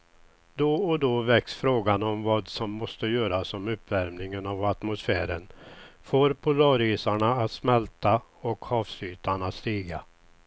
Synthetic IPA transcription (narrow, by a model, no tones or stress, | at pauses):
d̪ɔɔd̪ɔvɛksfɾoːɡanɔmvɑːd̪sɔmːɔst̪əjøːɾasɔmɵpːvæɾmnɪŋənavat̪mʊsfæːɾənfoːɾpʰʊlɑːɾiːsaɳaːt̪smɛlt̪aɔkhɑːfsyːt̪ʰaɳast̪iːɡa